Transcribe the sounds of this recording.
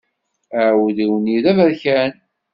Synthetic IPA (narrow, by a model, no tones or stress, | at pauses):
əwðiwəniðævæɾçæn